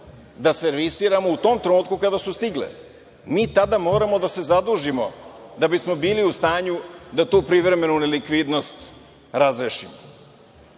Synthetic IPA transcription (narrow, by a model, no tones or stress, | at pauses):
d̪aseɾʋisiːɾamout̪o̞ːmt̪ɾenuːt̪kukad̪asust̪iɡlḛ | miːt̪ad̪amo̞ːɾamo̞d̪ase̞zad̪uːʒimo̞d̪abismo̞biːliust̪aːɲud̪at̪uːpɾiʋɾe̞me̞nunelikʋid̪no̞st̪ | ɾazɾeʃḭmo